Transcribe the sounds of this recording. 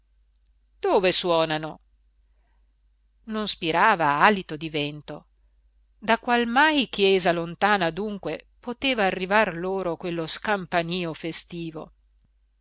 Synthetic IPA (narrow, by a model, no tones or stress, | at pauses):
d̪̥oːveswɔːnano | nonspiɾaːvaalit̪od̪ivɛnt̪o̰ | d̪akwalmajkjɛːzalont̪aːnad̪uŋkwe | pot̪eːvaːrːivarloːɾokwelːoskampaniːofest̪iːvo̰